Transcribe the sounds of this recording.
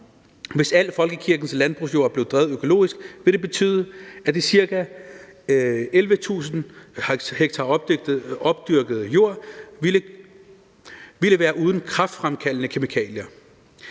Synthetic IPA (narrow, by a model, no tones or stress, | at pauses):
ʋe̝sæl̰əfɒ̽lɡ̥əkʰiɐɡ̥n̩slænb̥ʁṵs̬jo̝ɐ̰b̥le̝ʊd̥ʁɛːð̞̩ˠøkʰo̝lo̝̰ːisɡ̥ʋe̝ɾ̥e̝b̥e̝t͡sʰy̰ːðˠəæd̥esiɐɡ̥æ | elʋət͡sʰṵːsn̩ | heɡ̥̚t͡sʰɑ̥̈ | ɒ̽b̥̚d̥yɐɡ̥ð̩ˠjo̝ɐ̰lə | ʋiləʋæːɐʔuːð̞ˠn̩kʰʁɑ̈fd̥fʁamkʰælnəkʰe̝mikʰɛ̰ːljɐ